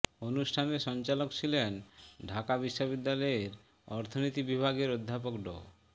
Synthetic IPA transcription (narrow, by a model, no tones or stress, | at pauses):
onusʈʰaneɾʃɔnt͡ɕalokt͡ɕʰilenɖʱakabiʃːobid̪ːalɔeɾ | ɔɾt̪ʰonit̪ibibʱaɡeɾod̪ʱːapokɖo̰